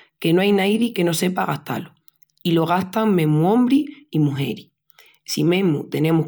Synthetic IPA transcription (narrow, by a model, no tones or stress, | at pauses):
ke̞noajnajɾike̞no̞se̞paɣaht̪a̰lo | ilo̞ɣ̞aht̪aŋmeɦmuõmbɾiimuɦe̞ɾi | simẽ̞mut̪e̞nẽ̞muh